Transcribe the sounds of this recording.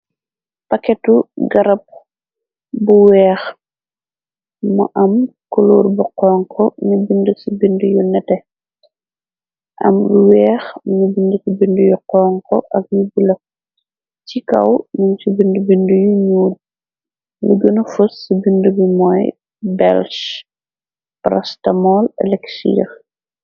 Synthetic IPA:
pɐkɛtuɡɐɾɐp̚ | buwɛːx | mṵʔɐmkuluːɾbuqɔːŋkʰɔnubindəsibindujunɛtɛ | ʔɐ̰mbuwɛːxmɲubindəkibindəjuqɔːŋkɔʔɐk̚ɲubilɐ | t͡ʃikɐ̰wnunsubindəbindəjuɲuːd̚ | ləɡənɐfusːibindəbimɔːj | bɛlʃ | pɾɐstɐmɔːlɛ̰lɛksḭ

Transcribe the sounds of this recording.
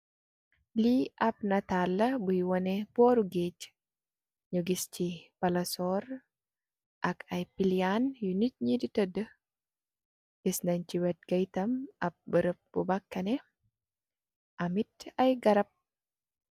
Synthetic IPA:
liʔɐp̚nɐt̪alːɐbujwɔnɛbɔːɾuɡet͡ʃ | ɲuɡist͡ʃipɐlɐsɔɾ | ʔɐkɐjpilijanjunit̚ɲiditədə | ɡ̥isnɐɲt͡ʃiwɛt̚ɡɐjtɐmɐp̚bəɾəp̚bubɐkːɐnɛ | ʔɐmitɐjɡɐɾɐp̚

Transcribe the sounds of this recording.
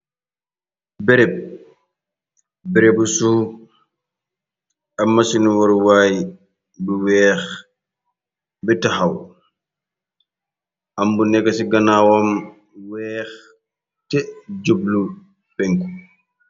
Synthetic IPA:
bɛɾɛp̚ | bɛɾebusu | ɐmːɐsinwɔɾwaːj | biwɛːx | bitɐxɐw | ʔɐmbunɛkːɐsiɡɐnaːwɔm | wɛːx | tɛd͡ʒoblu | pɛŋku

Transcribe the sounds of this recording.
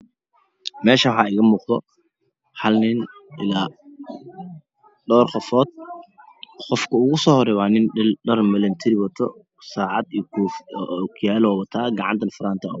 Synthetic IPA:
mɛːʃɐwħɑːɪɣɐmuːqd̪ɔ̰ | ħɐlnɪnʔɪlaː | ɖɔːrqɔfɔːd̪̥̚ | qɔfkʰɐʊɣʊsɔːhɔrɛwaːnɪnɖɐrmɛlɐnt̪ʰɪɾɪwɐt̪ʰɔ̰ | saːʕɑd̪ikʰufʔkʰjaːlɔːwɐt̪ʰaːɡɑʕɑ̰nt̪ʰɐnfʊɾaːnt̪ʰɐ

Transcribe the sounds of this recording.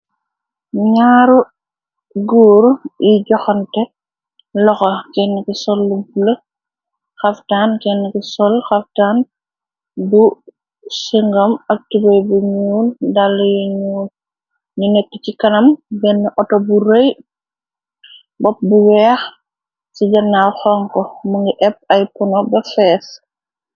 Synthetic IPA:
ɲaːɾu | ɡuːɾiɟɔxɐntɛ | lɔxɐkɛnːikisɔlːupulɐ | xɐftaːnkɛnːikisɔlxɐftaːn | bu | siŋɡɐmɐk̚tibɐjbuɲuːndalːɐjoɲuːn | ɲunɛkːəcikɐnɐmbɛnːiʔɔtɔbuɾej | bɔp̚buwɛːx | siɟɐnaxɔŋkɔmuŋɡiʔɛp̚ɐjpɔnɔbɐfɛːs

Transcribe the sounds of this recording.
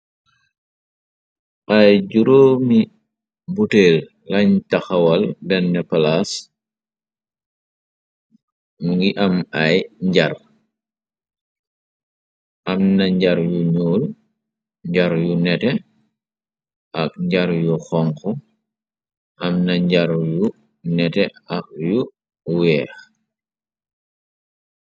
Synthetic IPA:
ʔajɟuɾoːmi | buteːlː | ɐɲtɐxɐwalbɛnːɛpalas | muŋɡiʔɐmajɲɟaɾ | ʔɐmnɐɲɟɐɾjuɲɔːl | ɲɟaɾjunɛtɛ | ʔɐk̚ɲɟaɾjuxɔŋkɔ | ʔɐmnɐɲɟaɾju | nɛtɛɐk̚ju | wɛːx

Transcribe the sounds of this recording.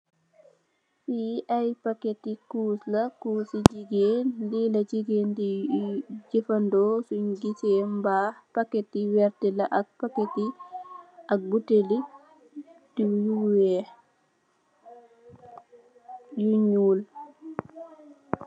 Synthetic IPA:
fiʔajpaketikuːslakuːsid͡ʒiɡeːndilad͡ʒiɡeːndi | d͡ʒifandɔsuɲɡitɛmbapaketiwɛɾtɛlaʔak̚paketi | ʔak̚buteli | dijuwɛ | juɲuːl

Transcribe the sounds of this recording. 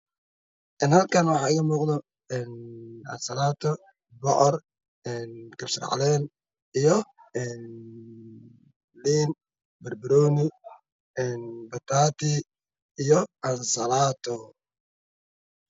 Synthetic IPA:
ʔɛnhɐlkʰanwɑħɑːɪɣɐmuːqd̪ɔ | ɛːnʔɐ̰nsɐlaːt̪ʰɔ | bɔʔɔr | ɛːnkʰɐbsɪ̰rʕɑ̰lɛːn | ijɔɛːn | liːn | bɐrbɪɾɔːnɪ | ɛːnbɐt̪ʰaːt̪ʰɪː | jɔʔɐnsɐlaːt̪ʰɔ

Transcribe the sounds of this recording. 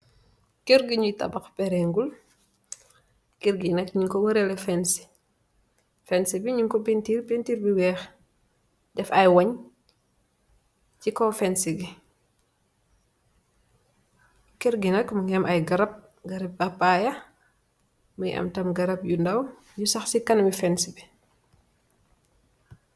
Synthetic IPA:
kiɾɡiɲutɐ̰bɐxpɛɾɛŋɡul | kiɾɡinɐkɲiŋkɔwɐɾɛlɛfɛnsi̥ | fɛnsibiɲiŋkɔpintiɾpintiɾbiwɛx | dɛfɐjwɐɲ | cikɔfɛnsiɡi | kiɾɡinɐkməŋɡɛmʔɐjɡɐɾɐp̚ | ɡɐɾɐp̚bapajɐ | məjʔɐ̰mtɐmɡɐɾɐp̚jundɐw | jusɐxsikɐnmifɛnsibi

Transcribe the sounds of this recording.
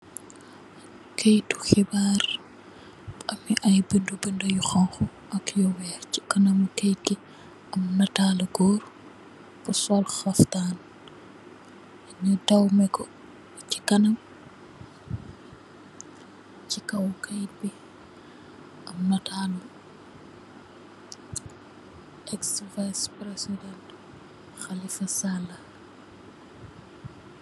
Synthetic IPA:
kejtu̥xibaːɾ | bɐmiʔɐjbəndubəndujuxaŋxu | ʔɐkjɔwɛci̥kɐnɐmkejti | ʔɐmnɐtaːlɐɡɔːɾ | pusɔlxɐftaːn | ɲɔdɐwmɛkɔ | ci̥kɐnɐm | cikɐwkɐj̚bi | ʔɐmnɐtʰaːlu | ʔɛksvajspɾesidɛnt | xalifɐsalɐ

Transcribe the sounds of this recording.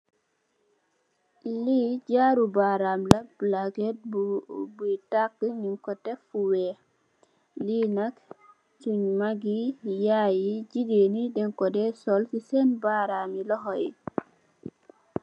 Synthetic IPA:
liːɟaːɾubaɾamlɐblaɡɛt̚butakːəɲiŋkɔtɛfuwɛː | liːnɐk | suɲmaɡijaːjiɟidenidɛŋkɔdɛsɔlsisɛnbaːɾamilɔxɔji

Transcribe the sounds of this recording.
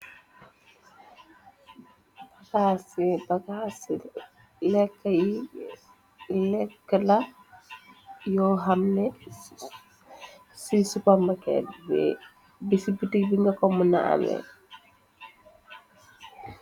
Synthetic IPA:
bakasibakasi | lɛkːaji | lɛkːəlɐ | jɔɦamnɛ | sisupamakɛ̰lbɛ̰ | bisibitikbiŋɡɐkɔmunaʔa̰mɛ̰

